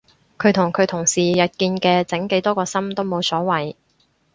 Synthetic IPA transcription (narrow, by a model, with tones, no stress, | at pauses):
kʰɵ˨˧ɥt̪ʰʊ˨˩ŋkʰɵ˨˧ɥt̪ʰʊ˨˩ŋsiː˨jɐ˨t̚kiː˧nkɛː˧t͡sɪ˨˥ŋke˨˥jt̪ɔː˥kɔː˧sɐ˥mt̪o˥wmo˨˧wsɔː˨˥wɐ˨˩j